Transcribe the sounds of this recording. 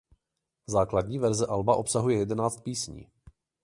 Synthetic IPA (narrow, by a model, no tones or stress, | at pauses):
zaːkladɲiːvɛɾzɛʔalbaʔo̞psaɦujɛjɛdɛnaːt͡st̪̚piːsɲḭː